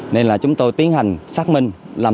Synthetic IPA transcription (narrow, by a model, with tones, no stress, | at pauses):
ne˧nlaː˨˩t͡ɕʊ˨˦ŋ͡mt̪o˧jt̪i˨˦ənha˨˩jŋ̟saː˦˥k̚mï˧ŋ̟ | laː˨˩